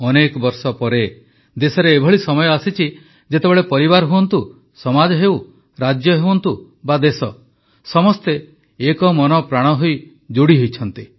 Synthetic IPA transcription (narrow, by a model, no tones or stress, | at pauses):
ɔnekɔbɔɾsɔpɔɾe | d̪esɔɾeːbʱɔɭisɔmɔjɔasit͡ʃʰi | d͡ʒet̪ebeɭepɔɾibaɾɦuwɔnt̪u | sɔmad͡ʒɔɦew | ɾad͡ʒjɔɦewɔnt̪u | bad̪esɔ | sɔmɔst̪eː | kɔmɔnɔpɾaɽ̃ɔɦoj | d͡ʒuɽiɦojt͡ʃʰɔnt̪i